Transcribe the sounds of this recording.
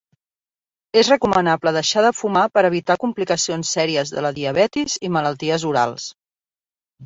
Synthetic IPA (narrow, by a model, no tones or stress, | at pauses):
ezrəkumənapləðəʃaðəfumapəɾəβ̞it̪akumplikəsionsːɛɾiəzðə̰ləðiəβ̞ɛt̪izimələlˠt̪iəzuɾa̰lˠs